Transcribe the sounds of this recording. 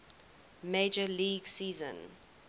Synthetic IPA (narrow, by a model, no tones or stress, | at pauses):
meːd͡ʒəliːɡsiːzə̰̃n